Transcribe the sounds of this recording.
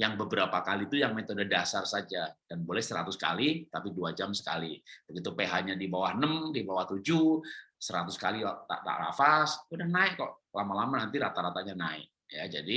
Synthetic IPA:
jaŋbəbəɾapakalit̪ujaŋmet̪odadasarsad͡ʒad̥anbolɛhsəɾat̪uska̰lit̪apiduad͡ʒamsə̥ka̰lit̪aɡit̪upeɦaʔɲadibawahnəmdibawaht̪ud͡ʒusəɾat̪uskalit̪a̰ʔt̪a̰ʔra̰fasudahnaɪkkɔʔ | lamalamanant̪iɾat̪aɾat̪aʔɲanaɪ̰k̚jad͡ʒadi

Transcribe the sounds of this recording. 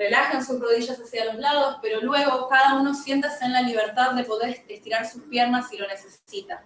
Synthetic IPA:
re̞laxensusroð̞iʒasasjalo̞zlað̞o̞spe̞ɾo̞lwe̞ɣo̞kað̞auno̞sje̞nt̪aseenlaliβ̞e̞ɾt̪aððe̞po̞ð̞eɾest̪iɾaɾsuspje̞ɾnasilo̞ne̞se̞sit̪a

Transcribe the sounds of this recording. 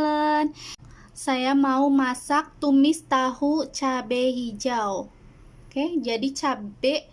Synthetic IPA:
lən | sajamaumasak̚t̪umɪst̪ahut͡ʃabɛɦid͡ʒaw | ked͡ʒadit͡ʃabɛʔ

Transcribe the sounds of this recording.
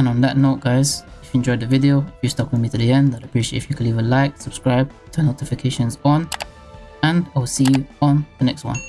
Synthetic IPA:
ɨ̃nə̃nðətⁿnoʊt̚ɡ̥aɪz̥ɪfjɨ̃nd͡ʒɔɪðəvɪdioʊfjɨstɑkwɨðmitʰɨðiɛ̃ndðəɾəpʰɹ̥iʃetɪfjɨkʰɨlivə̃laɪk̚səb̥skɹaɪb̚ | tʰənoʊtɪfɪkʰeɪʃə̃nzə̃n | ə̃naɪwˠsijə̃nðənɛkst̚wʌ̰̃n

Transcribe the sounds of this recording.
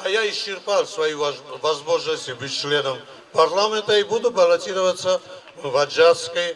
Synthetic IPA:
ajaɪst͡ʃːɪrpalˠsvɐjivɐzmoʒnɐsʲt̪ʲibɨt͡ʃlʲenəm | pɐrlˠamʲent̪ɐibud̪ʊbɐlˠɐtʲiɾəvət̪sə | vɐd͡ʒat̪skəj

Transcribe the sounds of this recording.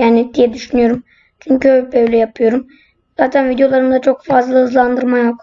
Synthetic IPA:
jaːniɪd̪̥ijɛd̪yʃynyjo̞ɾum | t͡ʃʰyɲcyøbøjlʲɛjapʰɯjo̞ɾum | z̥aːt̪ʰænvid̪ejo̞lˠaɾɯnd̪at͡ʃʰo̞kfazlˠahɯzlˠand̪ɯɾmajok

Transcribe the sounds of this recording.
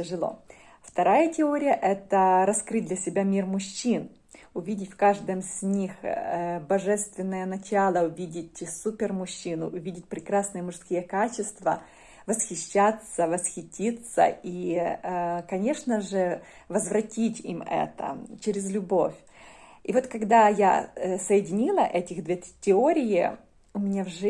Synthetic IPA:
tʲɪʐɨlˠo̞̰ | ft̪ɐɾajətʲɪoɾʲɪjəʔɛt̪əɾɐskɾɨt̚ʲd̪lʲɐsʲɪbʲamʲirmʊɕːin | ʊvʲidʲɪtʲfkaʐd̪ɨmzʲnʲixbɐʐɛst̪vʲɪnːəjənɐt͡ɕalˠəʊvʲidʲɪtʲsupʲɪrmʊɕːinʊ̰ʊvʲidʲɪt̚ʲpɾʲɪkɾasnɨjəmʊʂskʲijəkat͡ɕɪst̪və̰ | vəsxʲɪɕːat̪səvəsxʲɪtʲit̪sə̰i | kɐnʲe̞ʂnəʐɨ | vəzvɾɐtʲitʲḭmɛ̰t̪ə̰t͡ɕɪɾʲɪzlʲʊbo̞fʲ | ivo̞t̪kɐɡd̪aja̰səjɪdʲɪnʲilˠəʔɛtʲɪxd̪vʲetʲɪoɾʲɪjɪ̰ | ʊmʲɪnʲavʐ

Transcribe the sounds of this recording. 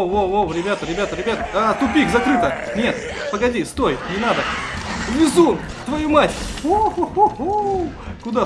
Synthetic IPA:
oowɾʲɪbʲat̪əɾʲɪbʲat̪əɾʲɪbʲat̪əat̪ʊpʲikzɐkɾɨt̪ənʲe̞t̪ | pəɡɐdʲist̪o̞jnʲɪnad̪əvʲɪzun | t̪vɐjumatʲoo | kʊd̪a

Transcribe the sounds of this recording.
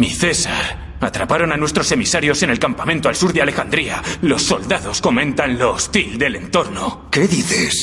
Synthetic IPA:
miθe̞saɾ | at̪ɾapaɾo̞nanwe̞st̪ɾo̞se̞misaɾjo̞se̞ne̞lkampamẽnt̪oalsuɾðeale̞xand̪ɾialo̞sːo̞ld̪aðo̞sko̞mẽ̞nt̪anlo̞ːst̪ild̪e̞le̞nt̪o̞ɾno | keðiθes

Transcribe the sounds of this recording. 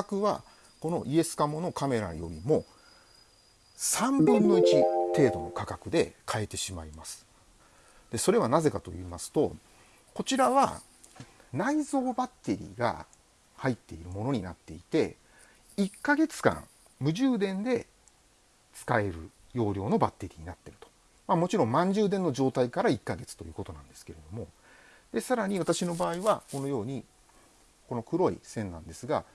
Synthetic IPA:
akɯ̟βa̰ | ko̞no̞ʔie̞sɨ̥kamo̞no̞kame̞ɾa̰jo̞̰ɾʲimo̞ | sãmbɯ̟̃nːo̞it͡ɕit̪e̞ːd̪o̞̰no̞kakakɯ̟d̪e̞kʰae̞t̪e̞ɕimaimasɨ̥ | d̪̥e̞so̞ɾe̞β̞anaze̞kat̪o̞̰iːmasɨ̥t̪o̞ | ko̞t͡ɕiɾaβa̰ | naizo̞ːbat̪ːe̞ɾʲḭːɡa̰ | hait̪ːe̞iɾɯ̟mo̞no̞ɲ̟inat̪ːe̞it̪e̞ | ikːaɡe̞t͡sɨ̥kã̰ŋ | mɯ̟ʑɨːd̪ẽ̞nd̪e̞ | t͡sɨ̥kae̞ɾɯ̟̰ | jo̞ːɾʲjo̞ːno̞bat̪ːe̞ɾʲḭːɲ̟inat̪ːe̞ɾɯ̟̥t̪o̥ | mamo̞t͡ɕiɾõ̞mmãɲ̟d͡ʑɨːd̪ẽ̞nːo̞ʑo̞ːt̪aikaɾaikːaɡe̞t͡sɨ̥t̪o̞jɯ̟ːko̞t̪o̞nã̰nd̪e̞sɨ̥keɾe̞d̪o̞mo̞ | d̪̥e̞saɾaɲ̟iβat̪aɕino̞baːiβako̞no̞jo̞ːɲ̟i | ko̞no̞kɯ̟ɾo̞ḭsẽ̞nːã̰nd̪e̞sɨɡa

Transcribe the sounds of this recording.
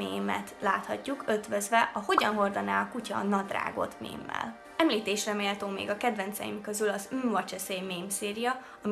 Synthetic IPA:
eːmɛ̰t̪laːt̪hɒcːukʰø̞t̪vøzvɛʔɒho̞ɟɒnɦo̞rd̪ɒnaːlɒkucɒnɒd̪ra̰ːɡo̞̰t̪mḛːmːɛ̰l | ɛmliːt̪eːʃrɛmeːlɛt̪oːmːḛːɡɒkɛd̪vɛnt̪sɛ̰jimkøzylɒzymvɒt͡ʃɛsejmeːmseːɾijɒ | ɒm

